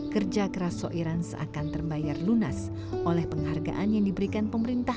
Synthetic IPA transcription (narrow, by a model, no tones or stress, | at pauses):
kərd͡ʒakəɾasoʔiɾansa̰kant̪ərbajarlunas | ʔolɛhpəŋɦarɡa̰ʔanjaŋdibəɾikanpəməɾint̪a